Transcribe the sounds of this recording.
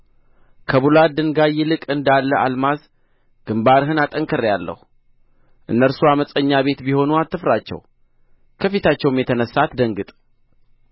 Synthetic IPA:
kʰəβulad̪ɨŋɡajɪlɨkʼɨnd̪alːəʔa̰lmaz | ɡ̥ɨmbaɾɦɨnat̪ʼəŋkʰəɾjalːə̰hu | ʔɨ̰nːəɾsuaməsʼəɲːaβe̞t̪biho̞nuat̪ːɨfɾat͡ʃːɛ̰w | kʰəfit̪at͡ʃːɛwmjɛt̪ʰənəsːat̪d̪əŋɡɨt̪ʼ

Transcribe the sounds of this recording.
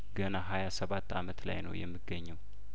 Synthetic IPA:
ɡənaɦajasəβat̪ːa̰mət̪la̰jnə̰wjɛmːɨɡːəɲːɛw

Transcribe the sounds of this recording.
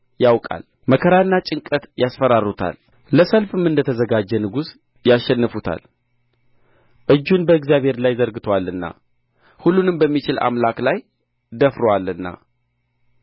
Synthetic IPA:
jawkʼa̰l | məkʰəɾanːat͡ʃʼɨŋkʼət̪jasfəɾarut̪ʰa̰l | ləsəlfɨmɨnd̪ət̪ʰəzəɡad͡ʒːɛnɨɡus | jaʃːɛnːɨfut̪ʰa̰l | ʔɨd͡ʒːunbəɨɡzjaβʱhe̞ɾlajzəɾɡɨt̪ʰowalːɨnːa̰ | hulːunɨmbəmːit͡ʃɪla̰mlaklaj | d̪əfɾowalɨnːa̰

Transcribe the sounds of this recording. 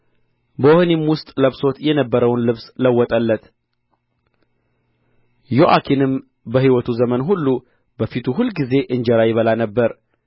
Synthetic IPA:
bəohnimwʊst̪ʼləβso̞t̪jɛnəbːəɾəwnlɨβsləwːɔt̪ʼəlːət̪ | joʔakʰinɨm | bəhiwɔt̪ʰuzəmənɦulːu | bəfit̪ʰuhulɡize̞ʔɨɲd͡ʒɛɾajɪβəlanəbːəɾ

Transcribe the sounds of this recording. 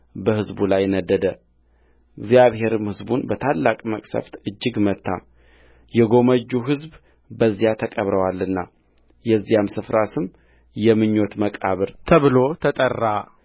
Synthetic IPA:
bəhɨzbulajnəd̪ːəd̪ə | ɨɡzijaβhe̞ɾɨmhɨzbunbət̪ʰalːakʼməkʼsə̰ft̪ɨd͡ʒːɪɡmət̪ʰːa̰ | jɛɡo̞məd͡ʒːuɦɨzb | bəzːijat̪ʰəkʼəβɾəwalːɨnːa | jɛzːijamsɨfɾasɨm | jɛmɨɲːo̞t̪məkʼaβɨɾt̪ʰəβɨlo̞t̪ʰət̪ʼərːa

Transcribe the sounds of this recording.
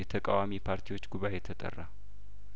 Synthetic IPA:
ɛt̪ʰəkʼa̰wamipʰaɾt̪ʰiwo̞t͡ʃːɡuβaʔet̪ʰət̪ʼə̰rːa

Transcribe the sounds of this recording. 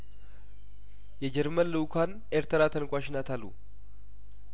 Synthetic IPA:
jɛd͡ʒɛɾmənlɨwkʰan | ʔeɾt̪ʰəɾat̪ʰənkʷʼaʃɪnat̪ʰalṵ

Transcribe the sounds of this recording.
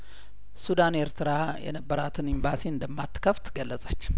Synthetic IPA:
sud̪aneɾt̪ʰɨɾajɛ̰nəbːəɾat̪ʰɨnimbasiɨnd̪əmːat̪ːkʰəft̪ɡəlːəsʼət͡ʃː

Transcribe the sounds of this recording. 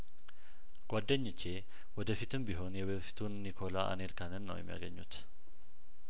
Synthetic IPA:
ɡ̥ʷad̪ːəɲːɪt͡ʃːe̞ | wɔd̪əfit̪ʰɨmbiɦo̞njɛβeβfi̥t̪ʰunːikʰo̞laʔa̰nelkʰanɨnːə̰wjɛ̰mːija̰ɡə̰ɲːṵt̪

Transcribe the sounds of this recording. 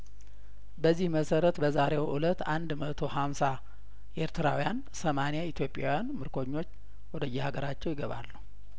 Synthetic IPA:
bəzːihməsəɾət̪bəzaɾewʔulət̪ːand̪mət̪ʰo̞hamsa | ʔeɾt̪ʰɨɾawijan | səmanejait̪ʰjo̞pʼja̰wijanmɨɾkʰo̞ɲːo̞t͡ʃː | wɔd̪əjːɛhaɡəɾat͡ʃːɛwjɪɡəβa̰lːu

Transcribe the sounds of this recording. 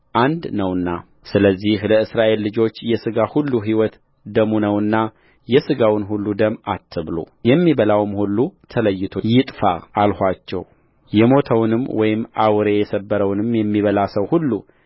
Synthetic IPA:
ʔand̪nəwɨnːa | sɨləzːihləɨsɾaʔe̞lːɨd͡ʒo̞t͡ʃːjɛsɨɡahulːuɦiwɔt̪ | d̪əmunəwɨnːa | jɛsɨɡawnɦulːud̪əmat̪ʰːɨβlṵ | jɛmːiβəlawmhulːut̪ʰələjːɪt̪ʰojɪt̪ʼfa̰ːlhʷat͡ʃːɛ̰w | jɛmo̞t̪ʰəwnɨmwɔjɪmːʔawɾe̞jɛsəbːəɾəwnɨmjɛmːiβəlasəwhulːu

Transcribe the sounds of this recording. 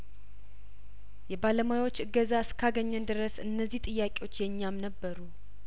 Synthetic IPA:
jɛbaləmajwo̞t͡ʃːɨɡːəzaɨskʰaɡəɲːɛnd̪ɨɾəsɨnːəzːiht̪ʼɨjːakʼewo̞t͡ʃːjɛɲːamnəbːəɾu

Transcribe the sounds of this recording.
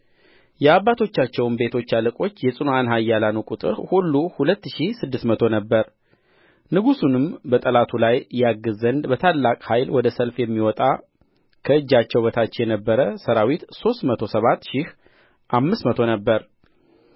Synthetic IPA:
jɛaβːat̪ʰo̞t͡ʃːat͡ʃːɛwnbe̞t̪ʰo̞t͡ʃːalɨkʼo̞t͡ʃːjɛsʼɨnuanɦajːalanukʼut̪ʼɨ̰ɾhulːuhulət̪ːʃisɨd̪ːɨsmət̪ʰo̞nəbːəɾ | nɨɡusunɨmbət̪ʼəlat̪ʰulajjaɡːɨzənd̪bət̪ʰalːakʼhajlwɔd̪əsəlfjɛmːiwɔt̪ʼa | kʰəɨd͡ʒːat͡ʃːɛwbət̪ʰat͡ʃːɛjɛnəbːəɾəsəɾawit̪so̞st̪mət̪ʰo̞səβat̪ːʃɪh | ʔamːɨsmət̪ʰo̞nəbːəɾ

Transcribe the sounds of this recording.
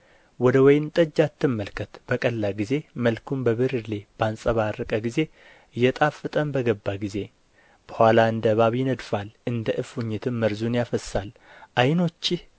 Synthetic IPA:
wɔd̪əwɔjnt̪ʼəd͡ʒːat̪ːɨmːəlkʰət̪b̥əkʼəlːaɡize̞məlkʰumbəβɨɾɨle̞b̥ansʼəβaɾəkʼəɡize̞ | jɛt̪ʼafːɨt̪ʼəmbəɡəbːaɡize̞ | b̥əhwʷalaɨnd̪əβaβjɪnəd̪falʔɨnd̪əʔɨfuɲːɪt̪ʰɨmːəɾzunjafəsːalʔajno̞t͡ʃːɪh

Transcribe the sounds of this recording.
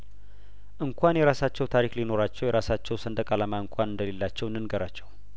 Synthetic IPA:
ʔɨŋkʷʰanjɛɾasat͡ʃːɛwt̪ʰaɾiklino̞ɾat͡ʃːɛwjɛɾasat͡ʃːɛwsənd̪əkʼalamaɨŋkʷʰʼanɨnd̪əle̞lːat͡ʃːɛwnɨnɡəɾat͡ʃːɛw

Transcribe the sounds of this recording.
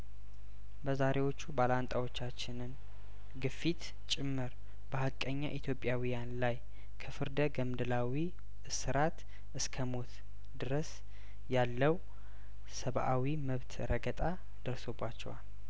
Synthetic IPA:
bəzaɾʔe̞wo̞t͡ʃːubalant̪ʼawo̞t͡ʃːat͡ʃːɪnɨn | ɡɨfːit̪ | t͡ʃʼɪmːɨɾ | bəhakʼəɲːa̰ʔit̪ʰjo̞pʼjawijanlaj | kʰəfɨɾd̪əɡəmd̪ɨlawi | ɨsɨɾʔat̪ | ʔɨskʰəmo̞t̪ | d̪ɨɾəs | jalːəw | səβʔawiməβt̪ʰɾəɡət̪ʼa | d̪̥əɾso̞bːat͡ʃːɛwal

